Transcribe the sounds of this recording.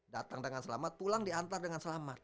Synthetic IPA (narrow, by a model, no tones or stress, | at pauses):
dat̪aŋdəŋansəla̰mat̪̚pulaŋdiant̪ardəŋansəlamat̪̚